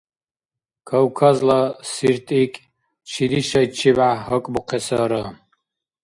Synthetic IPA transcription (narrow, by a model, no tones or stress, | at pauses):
kʰɐwkʰazlɐsirt̪ʼikʼ | t͡ʃʰidiʃɐit͡ʃʰibʕaɦɐkʷʼbuqʰesɐɾɐ